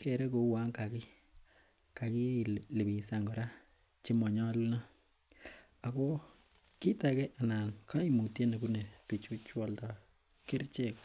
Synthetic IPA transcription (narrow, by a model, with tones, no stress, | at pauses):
ke˨ɾe˦ko˨wa˦ŋka˨ki˦ | ka˨ki˦˨le˨bi˨sa˨ŋɡɔ˨ɾa˦ | t͡ʃi˦mɔ˨ɲɔ˦lu˦na˦ | a˨ko˦ | ki˦ta˨ke˦ʔa˨na˨nkʰa˦i˦mu˨tje˦ne˨ku˦ne˨pi˨t͡ʃu˦t͡ʃwɔ˦lda˨ | ke˦ɾt͡ʃe˦k